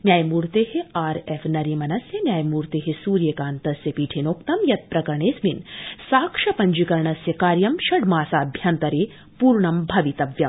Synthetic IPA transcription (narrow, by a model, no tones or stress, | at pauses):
njaːjmuːɾt̪eːheaːɾefnɐɾimɐnɐsjɐnjaːjmuːɾt̪eːɦesuːɾjekaːnt̪ɐsjɐpiːʈʰinoːkt̪ɐmjɐt̪̚pɾɐkɐɾɳeːsminsaːkʂɐpɐɲd͡ʒikɐɾɳɐsjɐkaːɾjɐmʃɐɖmaːsaːbʱjaːnt̪ɐɾeː | puːɾɳɐmbʱɐʋit̪ɐʋjɐm